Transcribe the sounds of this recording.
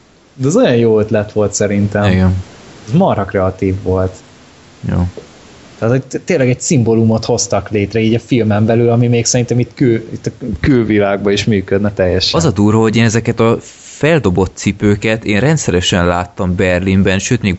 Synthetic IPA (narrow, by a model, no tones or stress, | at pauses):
d̪ɛɒzo̞jɒnjoːøt̪lɛt̪ʋo̞lt̪sɛɾint̪ɛmiɡɛnɛzmɒɾɒkrɛɒt̪iːvːo̞lt̪ | jo̰ː | t̪ːɛaːt̪ho̞ɟt̪eːnlɛɡɛɟsimbolumo̞t̪ho̞st̪ɒkleːt̪rɛiːɟɒfilmɛmbɛlylɒmimeːksɛɾint̪ɛmit̪ːkylit̪ːɒkølvilaːɡ̚bɒiʃmyːkød̪nɛt̪ɛjːɛʃɛɒzɒd̪uːrvɒɦo̞ɟeːnɛzɛkɛt̪ɒ | fɛld̪o̞bo̞t̪ːsipøːkɛt̪eːnrɛnt̪sɛɾɛʃɛnlaːt̪ːɒmbɛrlimbɛnʃøːt̪meːɡ